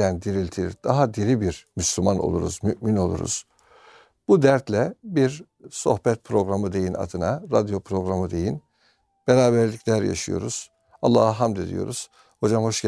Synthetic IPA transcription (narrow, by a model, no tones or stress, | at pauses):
ænd̪iɾilʲt̪ʰid̪̥aɦad̪iɾibiɾmyslʲymano̞̰lˠuɾṵzmyʔmino̞lˠṵɾṵz̥ | b̥ud̪æɾt̪lʲɛbiɾ | so̞xbɛt̪̚pʰɾo̞ɡɾamɯd̪e̞jina̰d̪ɯnaɾad̪jo̞pʰɾo̞ɡɾamɯd̪e̞jin | b̥eɾaːbæɾlʲicʰlʲæɾja̰ʃɯjo̞̰ɾuz̥ | ɑlˠːaːhaɦamd̪ed̪ḭjo̞̰ɾuz̥ | ho̞d͡ʒamho̞ʃɟ